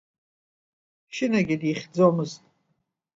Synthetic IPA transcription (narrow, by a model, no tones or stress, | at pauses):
ʃɪnaɡʲidiχʲd͡zomɨztʼ